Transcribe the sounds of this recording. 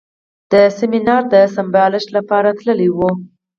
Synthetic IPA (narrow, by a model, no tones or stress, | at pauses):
d̪̥əsɪminɑɾd̪əsambɑlɪʃlapɑɾat̪ləliwu